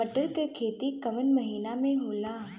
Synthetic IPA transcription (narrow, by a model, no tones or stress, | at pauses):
əʈəlkekʰeːt̪ikɐʋənməɦiːnamẽɦoːla